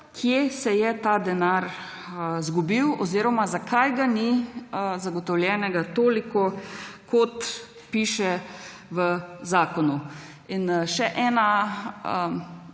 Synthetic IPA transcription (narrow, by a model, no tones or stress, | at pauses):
kʰjesɛjɛt̪ad̪ɛnaɾ | zɡubiwɔ̰ziɾɔmazakʰajɡani | zaɡɔt̪ɔwljɛːnɛɡat̪oːlikɔkɔt̪ | piːʃɛ | ʋəzaːkɔnu | inʃɛʔɛːna